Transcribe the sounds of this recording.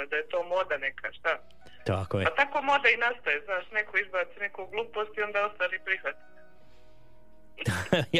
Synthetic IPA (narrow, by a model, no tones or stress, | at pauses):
ed̪aje̞t̪o̞ːmo̞d̪anekʰa̰ʃt̪a | t̪akot̪ako̞ːmo̞d̪ainast̪ojeznaːʃne̞kʰoizbaːt̪sine̞koɡlˠuːpost̪io̞nd̪aust̪aːɾipɾixʋat̪i̥t̪